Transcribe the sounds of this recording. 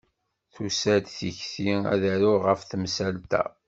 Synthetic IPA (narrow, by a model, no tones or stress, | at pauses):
θusæd̪θiçθiæ̰ðæɾʊʁəfθmsælt̪æ̰